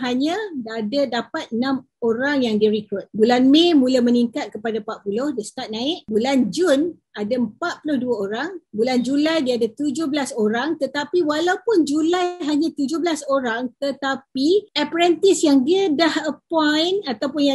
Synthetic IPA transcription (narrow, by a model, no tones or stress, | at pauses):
ɦaɲə̃daːdadapat̪̚ənãm | oɾaŋjaŋdiəɾikʊt̪̚bulanmemũlaməniŋkat̪̚kəpadapaʔ̪̚pulʊhdist̪at̪̚nãɪʔ̚buland͡ʒun | ʔadaəmpat̪̚pulʊhduaoɾaŋbuland͡ʒulajdiaadat̪ud͡ʒʊhbəlasoɾaŋt̪ət̪apiwalaupʊnd͡ʒulajɦaɲãt̪ud͡ʒʊhɦbəlasoɾaŋt̪ət̪apiapɾɛnt̪ɪsjaŋdiədahəpɔjnat̪awpʊnja